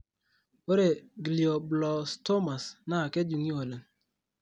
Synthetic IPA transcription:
o˦ɾe˨ɡli˨o˨blɔ˨sto˦ma˨sna˦˨ke˦d͡ʒu˨ŋi˦o˨le˨

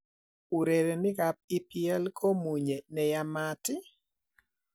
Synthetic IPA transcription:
u˨ɾe˨ɾe˨nɪ˦ka˨p̚i˦piɛ˦lkʰo˦mu˨ɲe˨nɛ˨jamatɪ˦

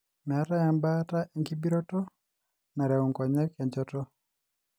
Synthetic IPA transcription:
mɛ˨a˦ta˦ja˨mba˦ta˦ʔe˨ŋki˦bi˦ɾɔ˦tɔ˦ | na˨ɾɛ˨u˨ŋkɔ˨ɲɛ˦kɛ˨ɲd͡ʒɔtɔ˦

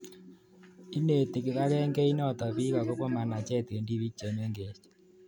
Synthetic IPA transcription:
i˦ne˨te˨ki˨βa˦ɣɛ˦ŋɡe˦i˦nɔ˦˨tɔ˨βi˦ɣa˨ko˦ko˦ma˨na˨t͡ʃɛ˦te˨ndi˦βi˦t͡ʃːe˨n˦e˦ŋɡe˨t͡ʃe̥

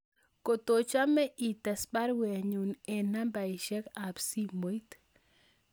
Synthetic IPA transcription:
ko˨t̪o˨t͡ʃa˦mɛ˦ʔi˨t̪a˨sba˦ɾwe˨ɲu˨ne˨na˦mba˨i˨ʃɛ˦ka˨bsi˦mo˨i˦t̪

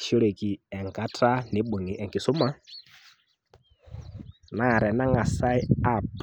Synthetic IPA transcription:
ʃo˦ɺe˨ki˨ɛ˨ŋka˨˦tʰa˦ne˨˦ɓu˨ŋi˨ʔɛ˨ŋki˨su˦ma˦ | na˦˨ɾɛ˨na˦ŋa˨sa˦i˦a˦˨p

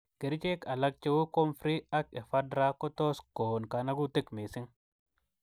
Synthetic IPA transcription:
ɡ̥e˨ɾt͡ʃe˦ka˨la˦k̚t͡ʃe˦wu˦ko˦mfɾi˦a˦ke˨fa˦dɾa˦ko˦t̪o˦sko˨nka˨na˦ɡu˦t̪i˦kmi˨si˦ŋ

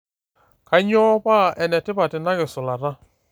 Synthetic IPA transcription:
ka˨˦ɲɔ˦pa˦˨ʔɛ˨nɛ˨tɪ˦pa˨tɪ˨na˦ɣɪ˨sʊ˨la˨ɾa˦

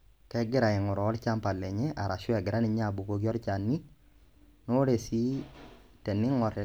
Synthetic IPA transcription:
kɛ˦ɡɪ˦ɾa˨ɪ˨ŋʊ˨ɾɔː˨˦ɾt͡ʃa˦mpa˨lɛ˨ɲɛ˦ʔa˨ɾa˨ʃʊ˦ɛ˨ɡɪ˨ɾa˦nɪ˦ɲa˦˨bu˨ko˦ɡjɔ˦ɾt͡ʃa˨nːi˦ | no˦ɾe˨si˦ | tɛ˨nːɪ˦ŋɔ˨ɾɛ˨

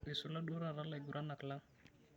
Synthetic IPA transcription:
i˨su˨la˦ɗo˦ɾa˨ɾa˦la˨i˨ɡu˨ɾʔa˦na˨kla˦ŋ

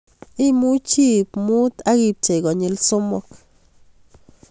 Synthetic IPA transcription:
i˦mu˦t͡ʃi˦bmu˦d̪a˦ɡi˧p̚t͡ʃe˨ɡo˨ɲi˧lso˦mo˧k

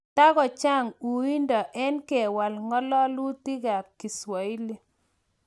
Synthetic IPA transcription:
ta˦ɣɔ˨t͡ʃa˦˨ŋu˨i˦ndɔ˨ʔɛ˦nkɛ˨wa˨lŋɔ˦lɔ˦lu˦ti˦ɣa˨p̚ki˨swɔ˨i˦le˦

